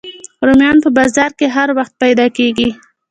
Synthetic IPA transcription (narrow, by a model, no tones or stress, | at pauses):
ɾomjɑnpəbɑzɑɾkeɦaɾwaxt̪̚pajd̪ɑkeɡi